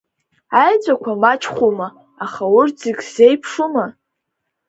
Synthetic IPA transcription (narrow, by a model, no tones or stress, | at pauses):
ajt͡sʷʼakʷʰamat͡ʃʰχʷuma | aχaʊrziɡʲz̥e̞jpʰʂuma